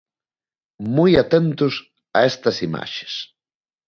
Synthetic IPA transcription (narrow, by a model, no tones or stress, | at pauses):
mujat̪ent̪ʊs | ɐ̰est̪ɐsima̰ʃe̥s